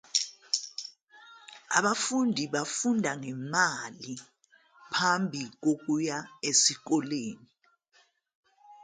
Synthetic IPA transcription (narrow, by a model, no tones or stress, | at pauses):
a̰ɓafundʱiɓafundʱaŋɛmali | pʰambʱik̬ok̬ujaesik̬ɔleːni